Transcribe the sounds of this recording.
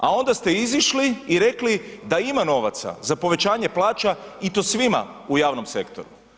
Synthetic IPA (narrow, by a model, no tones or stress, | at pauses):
a̰o̞nd̪ast̪e̞iziʃliːɾe̞klid̪aimano̞ʋat̪sa̰zapo̞ʋe̞t͡ɕaːɲe̞plˠaːt͡ʃait̪o̞ːsʋima̰ujaːʋno̞mse̞kt̪o̞ɾu